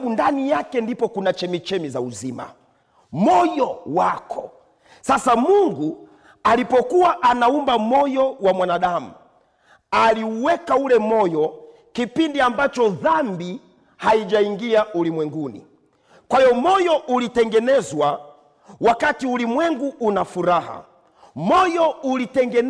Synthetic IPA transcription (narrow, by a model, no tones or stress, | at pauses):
undanijakɛndipɔkunat͡ʃɛmit͡ʃɛmizauzima̰ | mɔjɔwakʰɔ | sasamuŋɡu | alipɔkuwaʔanaumbamɔjɔwamwanaɗamu | aliuwɛkaulɛmɔjɔ | kipindiambat͡ʃɔðambi | haiʄaiŋɡiaulimwɛŋɡunḭ | kwaijɔmɔjɔʔulitɛŋɡɛnɛzwa | wakatiulimwɛŋɡuːnafuɾaha̰ | mɔjɔulitɛŋɡɛn